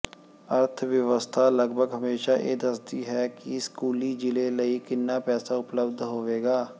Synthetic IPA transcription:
əɾt̪ʰʋjəʋəst̪ʰaːləɡbʱəɡɦəmeːʃaːʔḛːd̪əsd̪iːɦɛːkiskuːliːd͡ʒɪleːləiːkɪnːaːpɛːsaːʊpləbd̪ʱɦoːʋeːɡaː

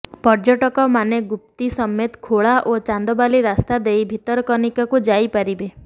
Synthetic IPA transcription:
pɔɾd͡ʒɔʈɔkɔmaneɡup̚t̪isɔmːet̪kʰoɭaʔot͡ʃand̪ɔbaliɾast̪ad̪ejbʱit̪ɔɾɔkɔnikakud͡ʒajpaɾibe

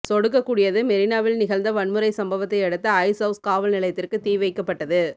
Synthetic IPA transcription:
sɔɽɯk̬ːɐkːuːɽɪjɐðɯmɛɾɪnaːʋɪlnɪɣɐlnd̪ɐʋɐɳmɯɾɐɪsɐmbɐʋɐt̪ːɐɪɛɽɯt̪ːɐɐɪsɐʊskaːʋɐlnɪlɐɪt̪ːɪrkɯt̪iːʋɐɪkːɐpːɐʈːɐðɯ

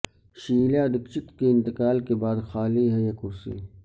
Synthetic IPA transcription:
ʃiːljaːd̪ɪkʃɪt̪keɪ̃nt̪ɪkaːlkebaːd̪xaːliɦɛjɐkusḭː

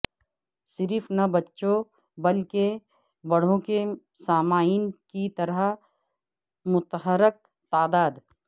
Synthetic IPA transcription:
sɪɾɪfnɐbɐtːʃõ | bɐlke | bɐɽ̤õke | saːmaːinkit̪ɐɾə | mʊt̪ɦəɾək̚ | t̪aːd̪aːd̪

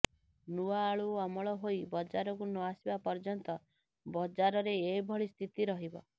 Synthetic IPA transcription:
nuaːɭuɔmɔɭɔɦojbɔd͡ʒaɾɔk̬unɔasibapɔɾd͡ʒɔnt̪ɔ | bɔd͡ʒaɾɔɾeːbʱɔɭist̪ʰit̪iɾɔɦibɔ̰

